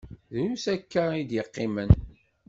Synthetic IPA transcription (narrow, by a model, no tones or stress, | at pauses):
ðɾusækːæid̪jəqːɪmən